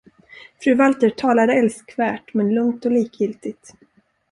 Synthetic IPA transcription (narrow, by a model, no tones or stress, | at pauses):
fɾʉ̟ːvalt̪əɾʈʰɑːlad̪əɛlskvæːʈmɛnlɵŋt̪ɔliːkjɪlt̪ɪɡ̚t̪